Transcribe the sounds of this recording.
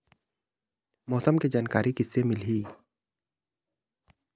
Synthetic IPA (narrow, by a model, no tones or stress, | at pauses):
mɔːsəmked͡ʒaːnkaːɾikɪsːemɪlɦiː